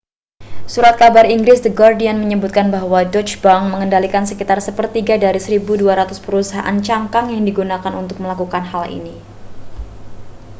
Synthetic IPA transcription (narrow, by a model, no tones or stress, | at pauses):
suɾat̪̚kabariŋɡɾɪsdəɡardianməɲəbut̪̚kanbaɦwad͡ʒɔt͡ʃbaŋməŋəndalikansəkit̪arsəpərt̪iɡadaɾisəɾibuduaɾat̪ʊspəɾusaɦaʔa̰nt͡ʃaŋkaŋjaŋdiɡunakanunt̪ʊk̚məlakukanɦalḭni